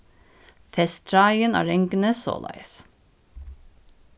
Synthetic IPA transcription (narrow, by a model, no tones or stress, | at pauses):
fɛst̪ʰɾɑɪənæ̰ːɾɛŋɡnəso̰ːlɑ̰ɪs